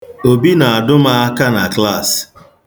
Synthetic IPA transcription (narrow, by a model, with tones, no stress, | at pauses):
o˨bi˦na˨a˨dʊ˦ma˦a˦ka˦na˨kla˦˨s